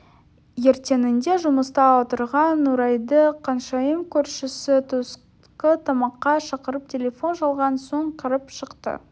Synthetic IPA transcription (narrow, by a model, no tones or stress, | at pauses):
je̞ɾt̪e̞nɪnd̪e̞ʒʊməst̪ɑot̪əɾʁɑnːuɾɑjd̪əqʰɑnʃɑjəmkʲʰɵɾʃɪsɪt̪ʰs | qət̪ʰɑmɑqːɑʃɑqəɾəp̚t̪ʲʰe̞lʲe̞fo̞nʒɑlˠʁɑnso̞ɴqʰəɾəpʃəqt̪ə̰